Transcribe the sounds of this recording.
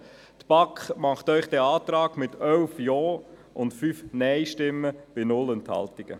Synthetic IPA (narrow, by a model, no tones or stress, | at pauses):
t̪b̥ɑkχmɑχt̪œʏχd̥̪ɛːɑːtɾɑːɡmɪt̪ʰœlfjɔː | ʔʊntfyːfnɛɪʃtɪmːəb̥ɪnʊlɛnt̪hɑ̰ltɪɡ̥ə̰